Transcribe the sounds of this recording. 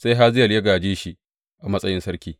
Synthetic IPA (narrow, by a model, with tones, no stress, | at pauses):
sa˦jɦa˦zɪ˦jɐ˨ljɐ˦ɡaː˨d͡ʒeː˦ʃi˦ | ʔa˨mɐ˦sʼɐ˦jɪ˦nsɐ˦ɾkʲiː˨